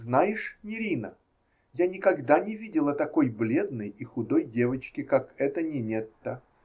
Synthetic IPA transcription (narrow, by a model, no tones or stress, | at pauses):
znajɪʂnʲɪɾʲinə | janʲɪkɐɡd̪anʲɪvʲidʲɪlˠət̪ɐko̞jblʲe̞d̪nəjixʊd̪o̞jdʲe̞vət͡ɕkʲɪkakɛt̪ənʲɪnʲet̪ːə